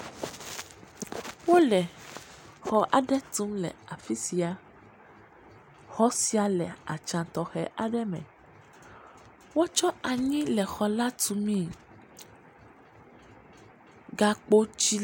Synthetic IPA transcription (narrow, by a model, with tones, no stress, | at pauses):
wo˦lɛ˨ | xɔ˦ʔa̰˨ɖɛ˦t̪ũ˨˦mlɛ̰˨a˨fi˦si˨˦a˨ | xɔ˦si˦a˨lɛ̰˨a̰˨t͡ʃã˨t̪ɔ˨xɛ˦ʔa˨ɖɛ˦mɛ̰̃˨ | wo˦t͡ʃɔ˦a˨ɲĩ˦lɛ˨xɔ˨la˦t̪u˨mĩ˦˨ | ɡa˨k͡po˦t͡ʃi˦